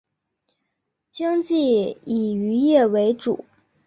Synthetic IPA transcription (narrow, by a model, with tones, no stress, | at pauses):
t͡ɕjɑ˥ŋt͡ɕi˥˩i˨˩y˧˥jɛ˥˩we˧˥ɪʈ͡ʂṵ˨˩˦